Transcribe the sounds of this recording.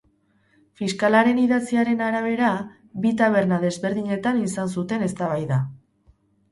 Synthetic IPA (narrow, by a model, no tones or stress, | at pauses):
fiskalaɾe̞niðat͡siaɾe̞naɾaβ̞e̞ɾa | bit̪aβ̞e̞ɾnaðe̞zβe̞ɾðiɲe̞t̪anisansut̪e̞ne̞st̪aβ̞ajða